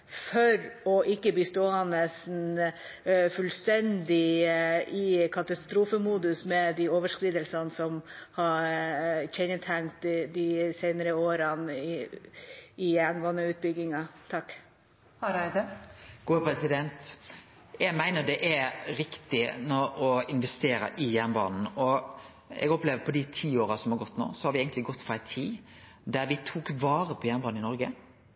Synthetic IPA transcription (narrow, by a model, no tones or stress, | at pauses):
fɔɾɔʔɪkːəbiːst̪oːənəsn̩ | fʉlst̪ɛnd̪ɪ | ikʰɑt̪ɑst̪ɾuːfəmuːd̪ʉsmɛd̪ioːʋəʂkɾiːd̪əlsɑnsɔmhɑɾçɛnət̪ʰæŋt̪d̪ɪsæɪnəɾəoːɾən | ɪɛnʋɔnəʉːt̪̚bʏɡɪŋɑt̪ʰɑkː | hɑɾæɪd̪əɡ̥uːəpɾɛsɪd̪ɛnt̪ | jɛɡmæɪnəd̪ɛʔæɾɪkt̪ɪnɔɾɔɪnʋɛst̪eːɾə̰ʔɪjæʁnbɑ̰ːnn̩ɔ | ɛ̰ɡɔpleːʋəpʰɔd̪ɪt̪ʰiːoːɾɑsɔmhɑɾɡɔt̪ːno̰ːsɔhɑɾʋɪeːɡənt̪ɪɡɔt̪ːfɔɾæɪt̪ʰiː | d̪æɾʋɪt̪ʰuːkʋɑːɾəpʰɔjæʁnbɑːn̩ɪnɔɾɡə